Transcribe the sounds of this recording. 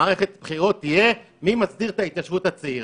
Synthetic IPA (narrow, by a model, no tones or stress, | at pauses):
aʁeχet̪bχiʁo̞tːije̞ | mimasdiʁt̪ait̪jaʃvuthat͡seiʁ